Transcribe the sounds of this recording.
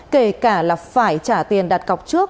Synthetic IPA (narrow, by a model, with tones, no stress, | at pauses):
ke˧˩kaː˧˩laː˨˩faː˧˩jt͡ɕaː˧˩t̪i˨˩ənɗaː˨˩t̚ɣa˨˩wk͡p̚t͡ɕɨ˦˥ək̚